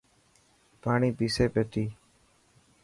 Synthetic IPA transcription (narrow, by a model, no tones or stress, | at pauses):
paːɳiːpiːseːpeːt̪iː